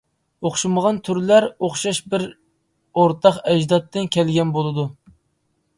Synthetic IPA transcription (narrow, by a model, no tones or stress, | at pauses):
oχʃuməʁɑnt̪ʰyɾlæɾoχʃɑʃbɪɾ | oɾt̪ʰɑχɛd͡ʒd̪ɑt̪ːɨnkʲʰɛlɡʲɛnbolˠɨd̪u